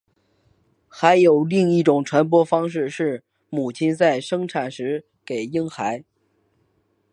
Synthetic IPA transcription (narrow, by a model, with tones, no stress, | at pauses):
xa˧˥ɪjo˨˩ʊli˥˧ŋi˥˩ʈ͡ʂʊ˨˩ŋʈ͡ʂʰwa˧˥np̬wɔ˥fɑ˥ŋʂ̬ɻ̩˥˧ʂɻ̩˥˩ | mu˨˩t͡ɕʰi˥nt͡sa˥˩ɪʂɤ˥ŋʈ͡ʂʰa˨˩nʂɻ̩˧˥ | ke˨˩ɪi˥ŋxa˧˥ɪ